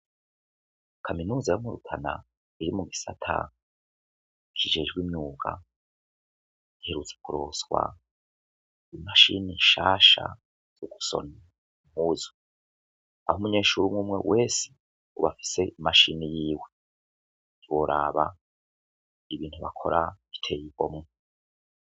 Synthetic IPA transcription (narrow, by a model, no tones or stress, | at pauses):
kʰaminuːzajomuɾutʰana̰ | iɾimuɡisatʰa̰ | kʰiʒe̞ʒɡwimɲuːɡa̰ | ihe̞ɾut͡se̥kuɾo̞swa̰ | imaʃiniʃaːʃa̰ | z̥oɡu̥so̞̰na | mhuzo̥ | a̰humuɲe̞ːʃuɾumŋuːmŋe̞̰wʔe̞ːse̥ | uβafi̥se̞imaʃinijiːwe̞ | βoɾʔaβa | iβiːnthuβakʰo̞ɾʔa | i̥tʰe̞ːjiɡo̞mŋe